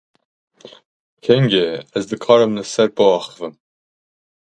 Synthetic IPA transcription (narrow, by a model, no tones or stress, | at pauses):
kʰɛŋɡeæzd̪ɨkʰɑːɾɨmlɨsæɾpɔɑːxɨ̥vɨm